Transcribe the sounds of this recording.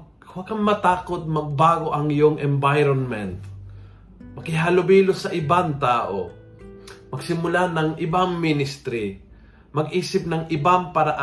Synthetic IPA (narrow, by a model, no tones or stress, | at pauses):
waɡ̚kːɐŋmɐt̪aːkot̪̚mɐɡ̚baːɡoʔɐŋɪjoŋʔɛmbajɾonmɛnt̪ | mɐkɪɦalʊbiːlosɐʔɪbaŋt̪aːʔo̰ | mɐɡsɪmʊlanɐŋʔɪbaŋmɪnɪst̪ɾɪ | mɐɡʔiːsɪp̚nɐŋʔɪbaŋpɐɾaʔa